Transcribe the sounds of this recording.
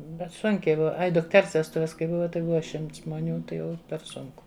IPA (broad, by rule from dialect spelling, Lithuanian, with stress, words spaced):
bʲɛt ˈsʊŋʲkʲɛɪ ˈbʊʋɐ ˈɐɪ dʊkˈtʲɛrs ʋʲɛsˈtʊʋʲɛs kɐɪ ˈbʊʋɐ tɐɪ ˈbʊʋɐ ˈʃʲɪmts ʒmoːˈnʲuː ˈtɐɪ ˈjɛʊ pʲɛr ˈsʊŋkʊ